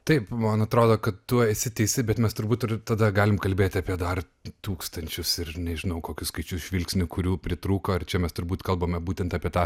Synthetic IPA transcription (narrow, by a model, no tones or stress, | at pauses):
t̪ɐɪpmɐnɐt̪ɾoːd̪oːkɐt̪t̪uɔɪsʲɪt̪ʲɛɪsʲɪbʲɛt̪mʲɛst̪ʊɾbuːt̪ɪrt̪ɐd̪ɐɡɑːlʲɪmkɐlʲbʲeːt̪ʲɐːpʲiɛd̪ɐr | t̪uːkst̪ɐnʲt͡ʃʲʊsɪrnʲɛʒʲɪnɐʊkoːkʲʊskɐɪt͡ʃʲʊsʒʲʋʲɪlʲksʲnʲʊkʊɾʲuːpʲɾʲɪt̪ɾuːkoːɪrt͡ʃʲɛmʲɛst̪ʊɾbuːt̪kɐlˠboːmʲɛbuːt̪ʲɛnt̪ɐːpʲiɛt̪ɑː